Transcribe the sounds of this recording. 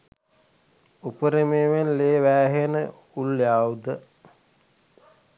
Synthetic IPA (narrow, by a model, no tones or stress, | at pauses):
upəɾemeːʋenleːʋæːɦenə | ulːjaːud̪ə